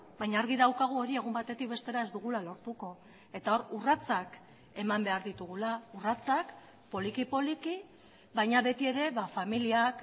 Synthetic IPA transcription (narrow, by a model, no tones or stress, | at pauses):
bajɲaːɾɣiðawkaɣ̞uo̞ɾie̞ɣ̞umbat̪e̞t̪ik̚be̞st̪e̞ɾae̞zd̪uɣ̞ulalo̞ɾt̪uko̞ | e̞t̪ao̞ɾurat͡sak | e̞mambe̞aɾðit̪uɣ̞ulaurat͡sak | po̞likipo̞liki | βajɲaβe̞t̪ie̞ɾe̞βafamiliak